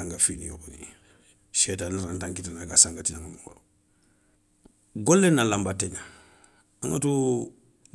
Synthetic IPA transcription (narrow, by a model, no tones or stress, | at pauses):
aŋɡafinḭjo̰konḭ | ʃetanaɾantaŋkitanaɡasaŋɡatinaŋɡamuŋo̰ɾo | ɡolːenːalambateŋa | aŋa̰tu